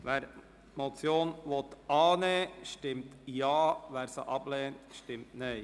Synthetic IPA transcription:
ʋæːɾ | mot͡sjoːnʋɔt̪ɑːneːʃtɪmtjɑːʋæːɾsəʔɑb̥lɛːntʃtɪmtnɛɪ

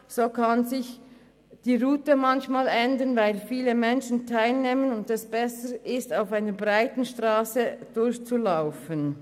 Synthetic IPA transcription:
z̥oːkʰanzɪç | d̥iːʁuːtəmançmaːlʔɛndənvaɪlfiːləmɛnʃn̩tʰaɪlneːmənʊndɛsb̥ɛsəʔɪstaʊfaɪnəbʁaɪtən̩ʃtʁ̥aːsəd̥ʊɾçt͡sulaʊfən

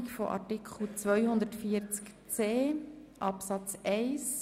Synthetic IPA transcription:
kfɔ̰ʔɑ̰tɪkχl̩t͡sʋœjhʊnd̪ətfiəɾt͡sk | t͡seːʔɑpsɑt͡sɛɪs

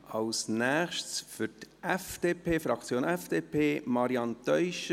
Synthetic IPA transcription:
ɑlsnæːχʃtsfʏɾtʔɛfd̥eːpʰeːfɾɑkt͡sjoːnɛfd̥eːpʰeːmɑɾiɑnt̪œʏʃə

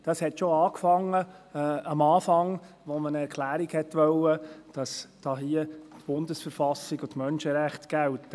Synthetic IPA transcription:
d̥ɑshɛtʃoɑːkfɑŋːəɑmɑːfɑŋ | ʋɔmənɛɾkʰlæːɾiɡhɛtʋœlːəd̥ɑsd̥ɑːɦiətb̥ʊndəsfəɾfɑsiɡʊtmœnʃəɾæχtɡ̥ælt

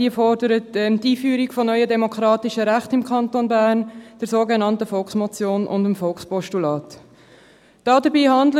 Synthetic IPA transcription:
diəfɔrdəɾətɛmtiːfyːɾikfɔnœʏədɛmokɾɑːtɪʃəɾæχtɪmkʰχɑntonbæːɾnd̥əɾsoːɡenɑntəfɔlksmɔt͡sjoːnʔʊ̰ndəmfɔlkspɔʃtulɑːt | d̥ɑːdəbiːhɑndlə

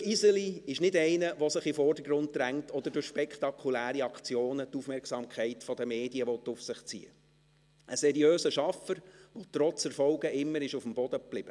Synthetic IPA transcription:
izəliɪʃnɪdɛɪnəʋɔsɪχifɔrdəɡɾʊnttɾæŋtɔd̥̪əɾdʊɾʃpɛkχtɑkʰχulæːɾiɑkt͡sjoːnətufmɛɾksɑmkχɛɪtfɔd̥əmeːdiəʋɔt̪ʊfsɪχt͡sḭːə̰ | ʔəsɛɾjøːsəʃɑfəɾʋɔt̪ɾɔt͡sɛɾfɔʊɡəʔɪmːəɾɪʃufəmbɔd̥əblɪb̥ə

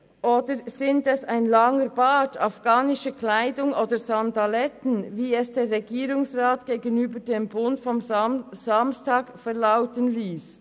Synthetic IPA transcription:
ʔoːdəzɪntɛsaɪnlaŋəɾbaːtʰafɡ̥aːnɪʃəkʰlaɪdʊŋoːdəzandalɛtən̩viːɛsd̥eːɾʁɛɡiːɾʊŋsʁaːtɡ̥eːɡənyːbəɾdeːmbʊndfɔmzamstaːkfɛʁlaʊtənliːs

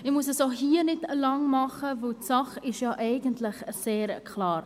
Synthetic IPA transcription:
ɪχmuəsəsoɦiənɪtlɑŋmɑχəvəwtsɑχɪʃjɑːʔɛɪɡəntlɪχseːɾkʰlɑːɾ

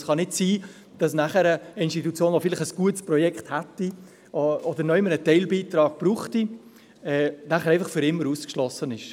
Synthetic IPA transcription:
sχɑnɪtsiː | d̥ɑsnæχəɾəɪnstitut͡sjoːnʋɔfɪlɪχəsɡ̥uətspɾɔjɛkχthætːi | ɔd̪əɾnœɪmənətɛɪlbiːt̪ɾɑːɡ̥̚pɾuːχti | ɛːnæχəɾɛɪfɑχfʏɾɪmːəɾuːskʃlɔsənɪʃ

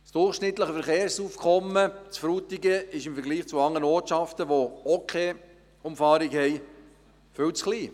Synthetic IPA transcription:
sd̥ʊrχʃnɪt̪ləχəfɛɾχeːɾsuːfkʰχɔmːət͡sfɾuːt̪ɪɡəɪʃɪmfɛɾɡliːχt͡suɑŋːənoːtt͡ʃɑftəʋookʰeː | ʊmfɑːɾikhɛj | fʏwt͡sχliː

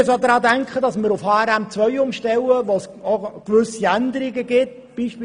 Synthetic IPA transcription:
sod̪ɾɑːd̪æŋkχədɑsmɪɾʊfhɑːɛɾæmt͡sʋœʏʊmʃtɛləʋosokʋʏsiænd̪əɾɪɡəɡɪt | b̥iːʃp

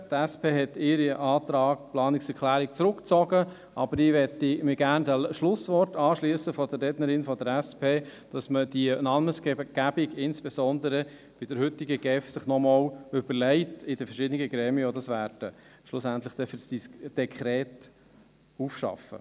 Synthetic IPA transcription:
t̪æspeːɦɛtɪɾiʔɑːt̪ɾɑːkplɑːnɪksɛɾkʰlæːɾik̚t͡sɾʊkt͡sɔɡə | ʔɑbəɾɪʋɛtimɪɡæɾndæʃlʊsʋɔɾtɑːʃliəsəfɔd̥ərːɛːdnəɾɪnfɔdəɾæspʰeːd̥ɑsməd̥iənɑnməsɡɡ̥æb̥ɪɡɪnsb̥ɛsɔnd̪əɾə | b̥ɪd̥əɾhʏtːiɡəɡ̥ɛfsɪχnɔmɑːlʏb̥əlɛɪtɪd̥əfəɾʃɪd̪ənɪɡəɡɾɛːmiəod̪ɑsʋæːɾd̥ə | ʃlʊsænt̪ləχd̥̪ɛfʏsd̥isd̥ɛkʰχɾɛːt | ufʃɑ̰fə̰

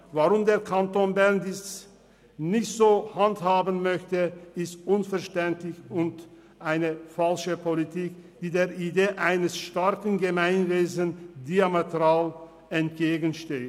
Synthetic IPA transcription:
vaʁʊmdeːɐkʰantoːnbɛɐndɪs | nɪçtz̥oːhanthaːbən̩mœçtəɪstʔʊnfɛɐʃtɛntlɪçʊnt | ʔaɪnəfalʃəpʰolitʰiːkd̥iːdeːɐʔideːʔaɪnəsʃtaɐkən̩ɡəmaɪnveːzəndiametʁaːl | ɛnt̚ɡ̥eːɡən̩ʃteː

